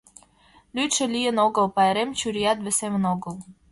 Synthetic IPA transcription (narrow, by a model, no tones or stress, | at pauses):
lyt̪ʃɘ̆lijə̆noɣəlpɑeɾemt͡ɕyɾijɑt̪̚βɘ̆semə̆noɣəl